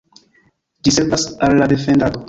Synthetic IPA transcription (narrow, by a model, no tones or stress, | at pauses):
d͡ʒiseɾvasalːadefendado